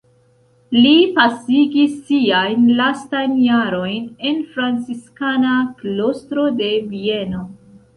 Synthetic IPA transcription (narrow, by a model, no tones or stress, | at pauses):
lipasiɡisːiajnlastajnjaɾo̞jne̞nfɾant͡siskanaklo̞stɾo̞de̞vie̞no̞